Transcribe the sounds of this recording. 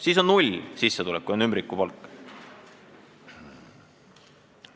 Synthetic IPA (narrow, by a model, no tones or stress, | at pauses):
siːso̞nnulʲsisːet̪ulɛkːˑujonymbrikːˑupɑlkːˑ